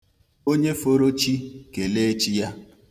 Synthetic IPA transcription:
o˦ɲe˦fo˦ɾo˦t͡ʃi˦ke˨le˦e˦t͡ʃi˦ja˦

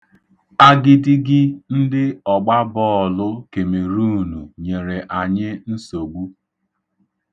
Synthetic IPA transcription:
a˦ɡɪ˦dɪ˦ɡɪ˦n̩˦dɪ˦ɔ˨ɡ͡ba˦bɔ˦ɔ˨lʊ˦ke˨me˨ɾu˦˨nu˨ɲe˨ɾe˨ʔa˨ɲɪ˦n̩˦so˨ɡ͡bu˦

